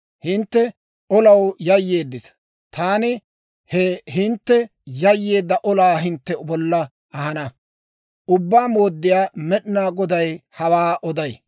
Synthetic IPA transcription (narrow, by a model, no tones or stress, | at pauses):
hɪnt̪ːɛ | ɔlɐwjɐjːe̞ːd̪ːɪt̪ɐ̥ | t̪aːnɪ | hɛɦɪnt̪ːɛ | jɐjːe̞ːd̪ːɐʔɔlaːɦɪnt̪ːɛbɔlːɐ | ʔɐhɐnɐ | ʊbːaːmoːd̪ːɪjaːmɛɗnaːɡɔd̪ɐjhɐwaːʔɔd̪ɐj